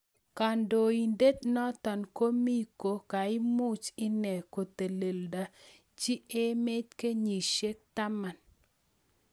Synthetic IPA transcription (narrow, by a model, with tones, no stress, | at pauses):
ka˨ndo˨i˨nde˦t̪nɔ˦t̪ɔ˨nko˦mi˦ko˨ka˨ɪ˦mu˦t͡ʃɪ˦nɛ˨ko˨t̪e˨le˨lda˨ | t͡ʃi˦e˦me˦tke˦ɲi˨ʃe˦k̚t̪a˦ma˨n